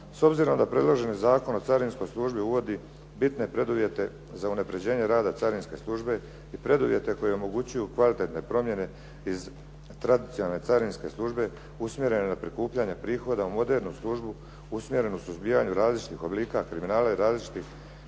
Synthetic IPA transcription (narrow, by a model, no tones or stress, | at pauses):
so̞bziɾo̞md̪apɾe̞d̪lˠo̞ʒe̞nizaːko̞no̞t̪saɾinsko̞jslˠuʒbiuʋo̞d̪i | bit̪ne̞pɾe̞d̪uʋje̞t̪e̞ | zaunapɾe̞d͡ʑe̞ːɲe̞ɾaːd̪at̪saɾinske̞̰slˠuʒbe̞ | ipɾe̞d̪uʋje̞t̪e̞ko̞jeomo̞ɡut͡ɕujukʋalit̪e̞t̪ne̞pɾo̞mje̞ne̞ | iz | t̪ɾad̪it̪sinalne̞tsaɾinske̞slˠuʒbe̞ | usmʲje̞ɾe̞nenapɾikuːpʎaɲepɾiːxo̞d̪aumo̞d̪e̞ːɾnuslˠuʒbu | usmʲje̞ɾe̞nusuzbiːjaɲuɾaːzlit͡ʃi̥t̪ixo̞bliːkakɾiminaːlaiɾaːzlit͡ʃi̥t̪ix